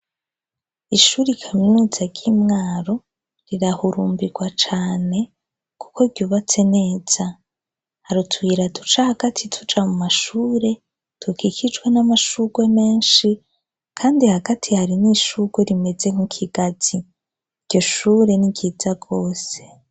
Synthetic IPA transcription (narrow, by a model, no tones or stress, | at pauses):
iʃuːɾikʰaminuːz̥aɡɟiːmŋaːɾo̞ | ɾiɾahuɾuːmbiɡ̥wat͡ʃaːne̞ | ku̥ko̞ɾɟuːβat͡se̞ne̞ːz̥a | haɾutʰwwiɾatut͡ʃahaɡatʰitʰud͡ʒamumaʃuːɾe̞ | tukikʰid͡ʒɡwe̞namaʃuɡ̥we̞me̞ːnʃi | kʰaːndihaɡatʰihaɾiniːʃuɡ̥we̞ɾime̞ze̞ŋukʰiɡaz̥i | ɾ̥ɟo̞ʃuːɾe̞niɡɟiːzaɡo̞ːse̞̥